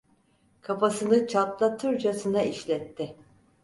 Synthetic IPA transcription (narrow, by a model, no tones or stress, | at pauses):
kʰapasɯnɯt͡ʃʰat̪lˠat̪ʰɯɾd͡ʒasɯnaiʃlʲɛt̪ʰːɪ